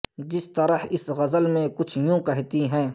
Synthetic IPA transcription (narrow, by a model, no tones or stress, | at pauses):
d͡ʒɪst̪ɐɾəhɪsɣɐzəlmẽkʊt͡ʃʰjũːkɛɦt̪iɦɛ̃ː